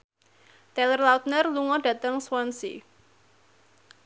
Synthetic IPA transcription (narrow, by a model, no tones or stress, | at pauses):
t̪ɛlərlaut̪̚nərluŋɔɖ̥a̤t̪əŋswansḭ